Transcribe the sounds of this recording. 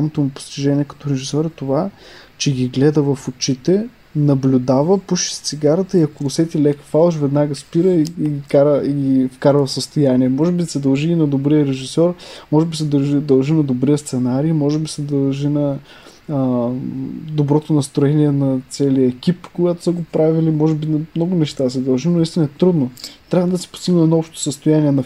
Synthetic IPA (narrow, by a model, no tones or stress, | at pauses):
amot̪omupo̥st̪iʒɛniɛkɐ̥t̪ɔɾɛʒisʲɔɾɛt̪ovat͡ʃɛɡʲiɡlɛd̪əvɐfot͡ʃit̪ɛ | nɐblʲʊd̪avəpuʃi̥st̪siɡaɾət̪əiɐkolˠʊsɛt̪ilɛkə̥falˠʃvɛd̪naɡəspiɾəiiɡikaɾəiɡʲifkaɾvəfsəst̪ojaniɛmɔʒɛbisɛd̪ɐlˠʒiːnɐd̪obɾiəɾɛʒisɔɾmɔʒɛbisɛd̪ɐʒid̪ɐlˠʒinɐd̪obɾijəst̪sɛnaɾimɔʒɛbisɛd̪ɐlˠʒinɐ | d̪obɾɔt̪onɐst̪ɾoɛniɛnɐt̪sɛliəɛkipkoɡat̪o̥səɡopɾavilimɔʒɛbinɐmnɔɡʊnɛʃt̪asɛd̪ɐlˠʒinist̪inəɛt̪ɾud̪not̪ɾʲavəd̪ɐsɛ̥pʊ̥st̪iɡnəɛd̪ɔɔpʃt̪o̥səst̪ojaniɛnɐ